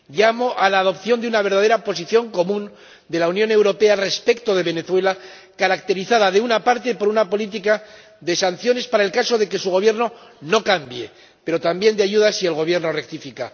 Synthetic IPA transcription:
ʎamo̞ʔalaːðo̞pθjond̪eunaβ̞e̞ɾðað̞e̞ɾapo̞s̬iθjo̞ŋko̞mũn | d̪e̞launjõ̞ne̞wɾo̞pe̞are̞spe̞kt̪o̞ðe̞βe̞ne̞θwe̞la | kaɾakt̪e̞ɾiθaðaðe̞unapaɾt̪e̞po̞ɾunapo̞lit̪̬ika | ðe̞san̟θjo̞ne̞spaɾaelkaso̞ðe̞ke̞suɣ̞o̞βje̞ɾno̞no̞kambje̞ | pe̞ɾo̞t̪ambje̞nd̪eaʝuðasie̞lɣo̞β̞je̞ɾno̞re̞k̚t̪ifika

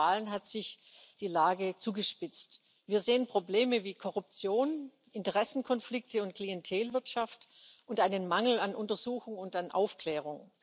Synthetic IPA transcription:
aːlənɦatz̥ɪç | d̥iːlaːɡət͡suːɡəʃpɪt͡st | viːɐzeːənpʁ̥obleːməviːkʰɔʁʊp̚t͡sjoːn | ɪntəʁ̞ɛsn̩kʰɔnflɪk̚təʊnt̚kl̥iɛntʰeːlvɪɐtʃaftʔʊntʔaɪnənmaŋl̩anʔʊntɐzuːxʊŋʊntanʔa̰ʊfkl̥ɛːʁ̞ʊŋ

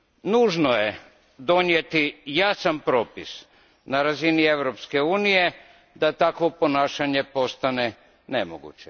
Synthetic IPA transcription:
nuːʒnoje | d̪o̞nje̞t̪ijaːsampɾo̞ːpis | naɾazinieʋɾo̞pske̞uːnije̞ | d̪at̪akʋo̞po̞naːʃaɲe̞po̞st̪ane̞ | ne̞mo̰ɡṵt͡ɕe

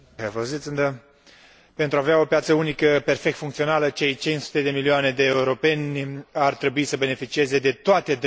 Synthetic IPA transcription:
evozit̪sɨnd̪ə | pe̞nt̪ɾuaveao̞pjat̪səunikəpe̞rfe̞k̚t̪fuŋkt̪sio̞nalət͡ʃe̞jt͡ʃinsu̥t̪e̞d̪e̞milioane̞d̪e̞ːuɾo̞pe̞nʲart̪ɾebuisəbe̞ne̞fit͡ʃie̞ze̞d̪e̞t̪oat̪e̞d̪

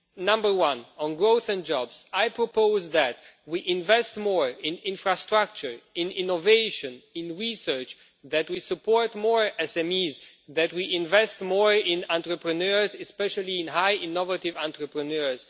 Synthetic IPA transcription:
nʌ̃mbə˞wʌ̃nə̃nɡɹoʊθɨ̃nd͡ʒɔbz̥ajpʰɹɔpʰoʊzðæt̚wiʔɪ̃nvɛstmɔɹɪ̃nɪ̃nfɹastɹak̚t͡ʃə˞ɪ̃nɪ̃noveɪʃɨ̃nɪ̃nɹisɜ˞t͡ʃ | ðɨtwisəpʰɔɹtmɔɹɛsɛ̃miz | ðɨt̚wiʔɪ̃ɱvɛstmɔɹɪ̃nãntɹəpɹɨnɜɹzɨspɛʃəl̩ˠiɪ̃nɦaɪʔɪ̃nɔvatɪvãntɹəpɹɨnɜɹz̥

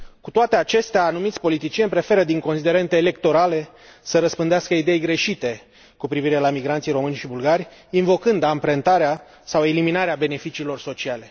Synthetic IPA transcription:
kut̪oat̪e̞at͡ʃe̞st̪eaːnumit̪sʲpo̞lit̪it͡ʃie̞nʲpɾe̞fe̞ɾəd̪iŋko̞nsid̪e̞ɾe̞nt̪eːle̞k̚t̪o̞ɾale̞ | səɾəspɨnd̪easkəid̪e̞jɡɾe̞ʃit̪e̞ | kupɾiviɾe̞lamiɡɾant̪sijro̞mɨnʲʃibulɡarʲinvo̞kɨnd̪ampɾent̪aɾea | sawe̞liminaɾeabe̞ne̞fit͡ʃiːlo̞rso̞t͡ʃiale̞

